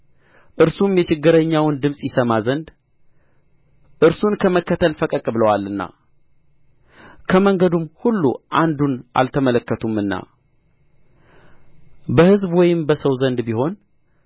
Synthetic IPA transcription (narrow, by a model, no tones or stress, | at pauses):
ʔɨɾsumjɛt͡ʃɪɡːɨɾəɲːawnd̪ɨmsʼjɪsəmazənd̪ | ʔɨɾsunkʰəməkːət̪ʰəlfəkʼəkʼbləwalːɨnːa̰ | kʰəməŋɡəd̪umhulːuʔand̪unʔa̰lt̪ʰəmələkːət̪ʰumːɨnːa̰ | bəhɨzbwɔjɪmbəsəwzənd̪biho̞n